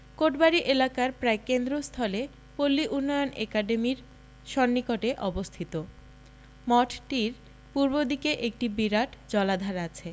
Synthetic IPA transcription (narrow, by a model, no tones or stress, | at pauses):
koʈbaɾiʔelakaɾpɾaekend̪ɾost̪ʰɔle | polːiʔunːɔjonɛkaɖemiɾ | ʃɔnːikoʈeʔɔbost̪ʰit̪o | mɔʈʈiɾ | puɾbod̪ʱikeʔek̚ʈibiɾaʈd͡ʑɔlad̪ʱaɾat͡ɕʰe